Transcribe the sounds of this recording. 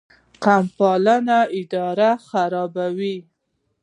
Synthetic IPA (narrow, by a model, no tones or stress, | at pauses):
qampɑlanaɪd̪ɑɾaxaɾɑbawi